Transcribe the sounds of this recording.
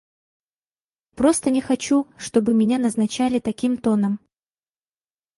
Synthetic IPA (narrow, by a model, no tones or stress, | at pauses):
pɾo̞st̪ənʲɪxɐt͡ɕuʂt̪o̞bɨmʲɪnʲanɐznɐt͡ɕælʲɪt̪ɐkʲimt̪o̞nəm